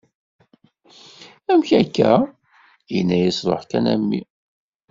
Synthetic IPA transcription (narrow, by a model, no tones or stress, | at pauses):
æmçækːæ | jənːæjisɾˤo̰ħkænæmːi